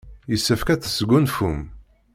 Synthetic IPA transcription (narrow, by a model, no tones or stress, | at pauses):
jəsːəfkæt͡sːə̥sɡʷunfum